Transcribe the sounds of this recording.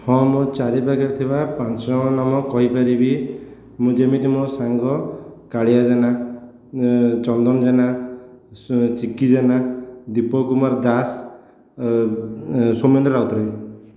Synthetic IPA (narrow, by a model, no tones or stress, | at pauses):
hɔ̃mot͡ʃaɾibaɡaɾt̪ʰibapãɔnamɔkɔɦipaɾibi | mũd͡ʒemit̪imosaŋɡɔkaɽijad͡ʒana | t͡ʃɔnd̪ɔmd͡ʒana | t͡ʃikid͡ʒanad̪ipɔkumaɾd̪as | somjɔnd̪ɾɔɾawt̪ɔɾɔj